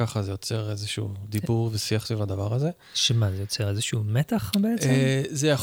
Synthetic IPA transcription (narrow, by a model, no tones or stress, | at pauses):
aχazejo̞t͡seʁezeʃṵːd̪ibuʁvesiaχtivlad̪avaʁaze | ʃemazejo̞t͡seʁezeʃumet̪aχbeeʔt͡sezejaχ